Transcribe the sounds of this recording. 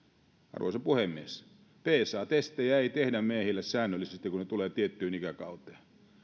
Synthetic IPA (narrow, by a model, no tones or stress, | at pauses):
ɑ̰rʋo̰isɑpuhemːies | peːsˑɑːt̪est̪ˑejæeit̪ehdæmmeːhilːessæːnːølːisest̪ikunet̪uleːt̪iet̪ːyːnikækɑwt̪ˑe̥ː